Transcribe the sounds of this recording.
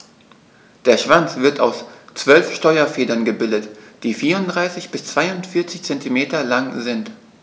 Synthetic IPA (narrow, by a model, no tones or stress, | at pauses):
d̥eːɐʃv̥ant͡sv̥ɪɐta̰ʊst͡sv̥œlfʃtɔʏɐfeːdɐnɡəbɪldətd̥iːfiːʁʊntdʁaɪsɪçb̥ɪst͡sv̥aɪʊntfɪɐt͡sɪçt͡sɛntʰimeːtɐlaŋzɪnt